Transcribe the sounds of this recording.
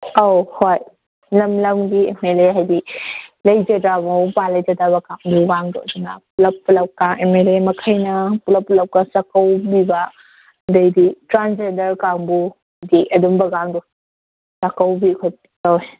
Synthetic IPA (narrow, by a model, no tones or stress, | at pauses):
awhoj | lɐmlɐmɡiemeleɦajdilɐjd͡ʒɐdamawpalɐjd͡ʒɐdaβɐkaŋbuɡaŋdɔ̰ɐdunɐ̰pulɐpːulɐp̚kaŋemelemɐkʰɐjnɐpulɐpːulɐp̚kasakɐwbiba | dɐjditɾand͡ʒendɐɾkaŋbuhajdiɐdumbɐɡaŋdɔ | sakawbikʰoj | oj